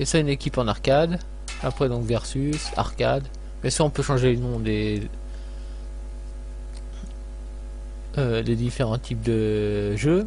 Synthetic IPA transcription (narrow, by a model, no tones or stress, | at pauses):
esaynekʲipɑ̃naʁkʲad̪ | apχɛd̪ɔ̃kvɛʁsysa̰ʁka̰d̪ | mɛsɔ̃pøʃɑ̃ʒelənɔ̃d̪e | ød̪ed̪ifeʁɑ̃t̪ʰip̚d̪əʒø